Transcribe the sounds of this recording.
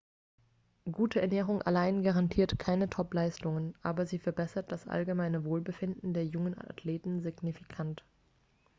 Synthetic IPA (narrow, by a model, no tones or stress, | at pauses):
ɡuːtʰəɛɐnɛːʁ̞ʊŋʔa̰laɪnɡaʁantʰiːɐtkʰaɪnətʰɔplaɪstʊŋənʔaːbɐziːfɛɐbɛsɐt̚d̥asʔa̰lɡəmaɪnəvoːlbəfɪndn̩deːɐjʊŋəna̰tʰleːtn̩zɪɡnifikʰant